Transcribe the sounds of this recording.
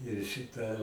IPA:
ɪr ˈʃʲɪtɐ

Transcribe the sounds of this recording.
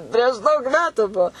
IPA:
pʲrʲiɛʃ ˈdɐʊk ˈmʲæːtʊ ˈbuɔ

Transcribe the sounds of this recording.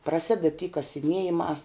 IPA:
prɐˈsʲɪdʲɛt tʲiː kɐsʲɪˈnʲiɛjɪmɑː

